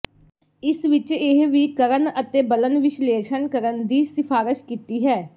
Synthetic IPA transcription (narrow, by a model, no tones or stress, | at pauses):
ɪsʋɪt͡ʃɪɦʋiːkəɾənət̪eːbələnʋɪʃleːʃənkəɾənd̪iːsɪpʰaːɾɪʃkiːt̪iːɦɛː